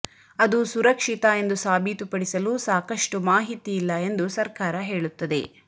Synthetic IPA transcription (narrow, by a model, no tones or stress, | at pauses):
ɐd̪usuɾɐkʂit̪ɐe̞nd̪usaːbʱit̪upɐɽisɐluːsaːkɐʂʈumaːɦit̪iːlːɐe̞nd̪usɐɾkaːɾɐɦe̞ːɭut̪ːɐd̪ḛ